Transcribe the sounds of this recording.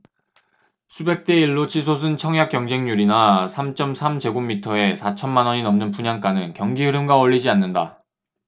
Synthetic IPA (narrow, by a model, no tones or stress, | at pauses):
sʰube̞k̚t͈e̞iɭːot͡ɕʰisʰos̬ʰɯnt͡ɕʰʌŋjak͈jʌŋd͡ʑe̞ŋɲuɾinasʰamt͡ɕ͈ʌmsʰamd͡ʑe̞ɡomːitʰʌe̞sʰat͡ɕʰʌnmanwʌɲinʌmnɯnpuɲaŋk͈anɯnkjʌŋɡiɦɯɾɯmɡwaʌʎːid͡ʑianːɯnda